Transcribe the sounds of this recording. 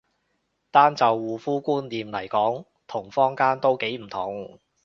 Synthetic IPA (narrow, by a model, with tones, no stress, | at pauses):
t̪aː˥nt͡sɐ˨wːuː˨fuː˥kuː˥nliː˨mlɐ˨˩jkɔː˨˥ŋ | t̪ʰʊ˨˩ŋfɔː˥ŋkaː˥nt̪o˥wke˨˥jm̩˨˩t̪ʰʊ˨˩ŋ